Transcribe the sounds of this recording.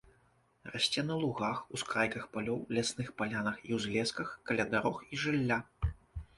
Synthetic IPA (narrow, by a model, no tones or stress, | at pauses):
raɕʲt͡sʲɛnɐlˠuɣaxuskɾajkɐxpalʲɔwlʲasnɨxpalʲanɐxiwzʲlʲɛskɐxkɐlʲad̪aɾɔxiʐɨlʲːa